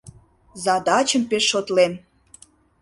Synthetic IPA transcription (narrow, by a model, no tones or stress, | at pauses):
zɑd̪ɑt͡ɕəmpeʃːot̪len